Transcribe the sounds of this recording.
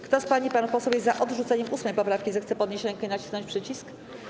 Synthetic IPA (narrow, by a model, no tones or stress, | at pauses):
kt̪ɔspaɲipanupɔswɛwjɛaʔɔd̪ʐut̪sɛɲɛmʔusmɛjpɔpɾafkʲizɛxt̪sɛpɔd̪̚ɲeɕɾɛŋkɛinat͡ɕi̥snɔ̃nɲt͡ɕpʂɘt͡ɕisk